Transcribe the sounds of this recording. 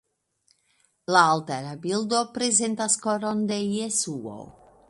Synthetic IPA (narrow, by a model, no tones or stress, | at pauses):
laalt̪aɾabild̪opɾezent̪askoɾond̪ejesuo̰